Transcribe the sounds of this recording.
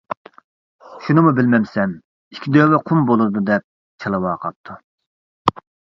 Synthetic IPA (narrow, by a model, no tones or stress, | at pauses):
ʃunɨmubɪlmɛmsɛm | ikʲʰid̪øwɛqʰʊmbolˠuɾd̪ud̪ɛp̚ | t͡ʃʰelˠɨwɑːqʰɑp̚t̪ʰu